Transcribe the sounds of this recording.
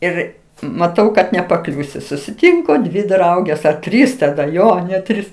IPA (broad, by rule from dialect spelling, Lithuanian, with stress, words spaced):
ˈɪr mɐˈtɐʊ kɐt nʲɛpɐˈklʲuːsʲʊ sʊsʲɪˈtʲɪŋkoː dʲʋʲɪ ˈdrɐʊɡʲeːs ɐ ˈtʲrʲiːs tɐˈdɐ ˈjoː nʲɛt ˈtʲrʲiːs